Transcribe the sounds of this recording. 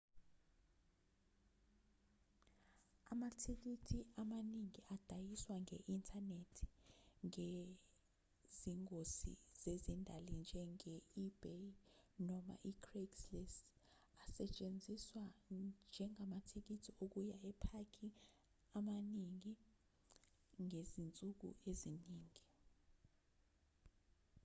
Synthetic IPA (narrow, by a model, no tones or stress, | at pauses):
amatʰik̬itʰiamaniŋiad̥ʱajiswaŋeʔintʰanetʰi̥ŋe | ziŋkosḭz̥ezindʱalind͡ʒʱɛŋeib̥enɔma̰ʔikʰrekslɛs | asɛt͡ʃʼend͡zʱiswand͡ʒʱɛŋamatʰik̬itʰiok̬ujaɛpʰakʰi | amaniŋi | ŋezint͡sʼuk̬ṵeziniːŋi